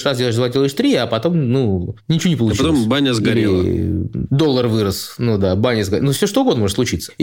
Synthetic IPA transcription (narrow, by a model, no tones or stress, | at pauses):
razdʲelˠɪʂ̬d̪vlˠɐtʲilˠəɪʂt̪ɾʲiɐpɐt̪o̞mnunʲɪt͡ɕɪvunʲɪpəlˠʊt͡ɕɐt̪ombanʲəzɡɐɾʲe | d̪o̞lˠːərvɨɾəsnud̪abanʲəzɡɐnufsʲoʂt̪oʊɡo̞d̪nmo̞ət̪slˠʊt͡ɕit̪sə̥